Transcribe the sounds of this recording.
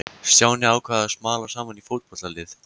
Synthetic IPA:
sjaːwnɪaːwkʰvaːðasmaːlḁsaːmanifowt̪̚pɔt̪lalɪθ

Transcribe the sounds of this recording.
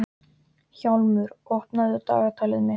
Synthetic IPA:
çawlmʏɾɔhpnaðʏt̪a̰ːɣat̪ʰaːlɪðmɪ

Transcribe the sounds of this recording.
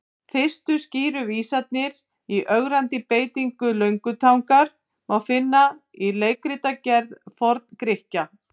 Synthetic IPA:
fɪ̥st̪ʏsciːɾʏviːsat̪̚nɪɾ | iʔœɣɾant̪ɪpeːjt̪iŋkʏlœɥŋkʏt̪ʰawŋkaɾ̥ | mawfɪnːaileːjkɾit̪acɛɾðfɔɾt̪̚nkɾɪhca

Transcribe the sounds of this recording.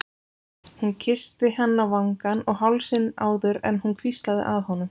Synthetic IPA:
huncʰɪst̪ɪhɛnːavaŋkanɔɣɦawlsɪnaːwðʏɾɛ̰nhunkʰvist̪laðɪ̰ʔaðhɔnʏm

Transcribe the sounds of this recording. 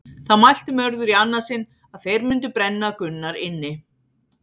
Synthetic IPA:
θaðmajl̥t̪ɪmœɾðʏɾianːasɪn | aðθejɾmʏnt̪̬ʏpɾɛnːakʏnːaɾɪnːɪ

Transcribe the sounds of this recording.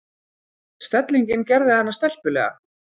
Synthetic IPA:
st̪ɛt̪liɲcɪncɛɾðɪhanːast̪ɛl̥pʏlɛ̰ːɣa̰

